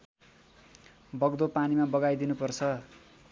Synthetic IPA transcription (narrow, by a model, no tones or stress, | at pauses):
bʌɡd̪opanimabʌɡajd̪inupʌrt͡sʰʌ